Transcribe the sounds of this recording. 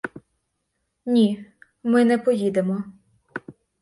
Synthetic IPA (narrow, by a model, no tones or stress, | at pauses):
nʲi | mɪnɛpɔjid̪emɔ